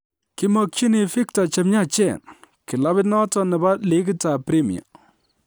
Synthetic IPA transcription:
kɪ˦mɔ˨k̚t͡ʃi˦ni˨fɪ˦k̚ta˨t͡ʃɛ˨mɲa˦t͡ʃɛ˦˨n | kɪ˨la˦bɪ˦tnɔ˦tɔ˦nɛ˨ba˦lɪ˦kta˨pɾi˦mḭ˨a̰˨

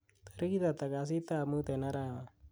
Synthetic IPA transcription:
t̪əɾkit̪at̪a˨kas̬i˦t̪aː˦mɯt̪e˨na˦ɾa˦a˨

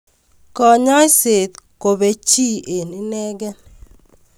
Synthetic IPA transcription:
kɔ˨ɲɔ˦i˦se˨t̪ko˨be˨t͡ʃi˦e˨ni˦nɛ˦ɡɛ˦n

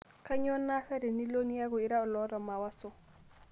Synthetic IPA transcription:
ka˦ɲo˦na˦sa˦ɾi˨ni˦lo˦ni˦ja˦ɡɔ˨i˦ɾa˦o˨lɔ˦ɾa˨ma˨wa˦so˨

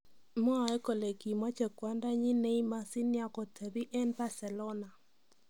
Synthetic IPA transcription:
mɔ˦a˨ɛ˦ko˨le˨ki˨mwa˦t͡ʃɛ˨kwa˦nda˦ɲɪ˦ne˦i˦ma˦si˦nja˦kɔ˨tʰe˨ði˦ʔɛ˦nba˦sɛ˨lɔ˦na˨

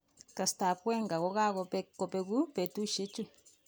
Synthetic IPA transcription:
ka˧st̪a˨pʷe˦ŋɡa˨ɣo˧ɣa˦ɣo˧pe˧ko˧pe˧ɣu˦pe˨˧t̪u˦ʃe˦t͡ʃu˧

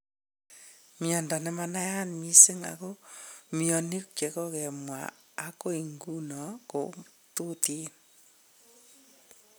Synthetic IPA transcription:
mjɔ˨nda˨nɛ˨˦mana˦ja˦nmi˦se˦ŋa̰˨ko˦miɔ˨ni˦kt͡ʃe˨kɔ˦kɛ˨mwa̰˨ | a˨˦ko˦i˨ŋɡu˦nɔ˨ko̰˨ | tu˦ti˦n

